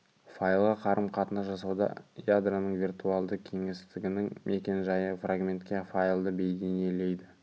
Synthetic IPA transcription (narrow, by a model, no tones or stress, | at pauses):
fajlˠʁɑqʰɑɾəmqʰɑt̪ənʒɑs̬ɑwd̪ɑ̰jad̪ranəɴvʲirt̪ualˠd̪əkʲʰe̞ŋest̪ɪɡʲɪnɪŋmʔe̞kʲe̞nʒɑjəfraɡmʲe̞nt̪kʲe̞falˠd̪əbe̞jd̪e̞nije̞le̞jd̪ɪ